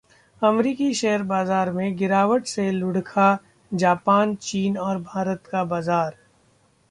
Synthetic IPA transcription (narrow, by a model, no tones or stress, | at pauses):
ɐmɾiːkiʃɛɦəɾbaːzaːɾmẽɡɪɾaːʋwəʈselʊɽkʰa | d͡ʒaːpaːnt͡ʃiːnɔːɾbʱaːɾət̪kabaːzaːɾ